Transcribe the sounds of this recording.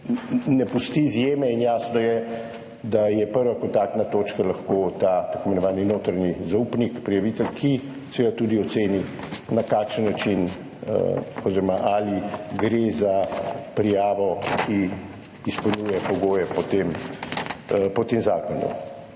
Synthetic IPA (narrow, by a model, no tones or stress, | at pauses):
nɛpust̪izjeːmɛinjaːsnɔjɛ | d̪ajɛpəɾʋakɔnt̪aːk̚t̪nat̪oːt͡ʃkalaxkoːt̪aːt̪akɔmɛnɔʋaːninoːt̪ɾanizaupnikpɾijaʋit̪ɛlkʰi | seʋed̪at̪ud̪iɔt̪seːninakaːkʃənːat͡ʃin | ə̰ɔziːɾɔmaʔaliɡɾezapɾijaːʋɔkʰiː | spɔlnujɛpɔɡoːjɛpɔt̪em | pɔt̪emzaːkɔnṵ